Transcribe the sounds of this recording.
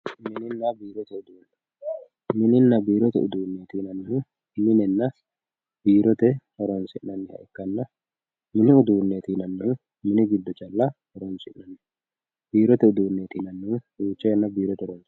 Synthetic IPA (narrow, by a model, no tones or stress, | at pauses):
mɪnɪnːɐbiːɾɔt̪ɛʊd̪uːnːɐ | mɪnɪnːɐbiːɾɔt̪ɛʊ̰d̪uːnːe̞ːt̪iːnɐnːu | mɪnɛnːɐ | b̥iːɾɔt̪ɛɔɾɔnsɪnːɐnːɛhɐ̰ʔɛkːɐnːɐ | mɪnɪʊd̪uːnːeːt̪iːnɐnːu | mɪnɪɡɪd̪ːɔt͡ʃɐlːɐ | ɔɾɔnsɪʔːɐnːɛ | biːɾɔt̪ɛʊd̪uːnːeːt̪iːnɐnːuduːt͡ʃːɛɛnːɐbiːɾɔt̪ɛɔɾɔns